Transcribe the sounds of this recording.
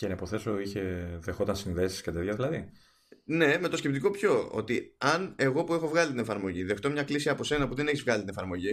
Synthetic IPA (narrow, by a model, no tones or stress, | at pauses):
cenɐipoθe̞so̞içe̞ðexo̞t̪ɐnsinðe̞si̥skɐt̪eðʝɐðilɐði | ne̞me̞t̪o̞scep̚t̪iko̞pço̞o̞̰t̪iɐne̞ɣo̞pue̞xo̞vɣɐlit̪ine̞fɐɾmo̞ʝiðe̞xt̪omɲɐklisiɐpo̞se̞nɐpuðe̞neçizvɣɐlit̪inefɐɾmo̞ʝi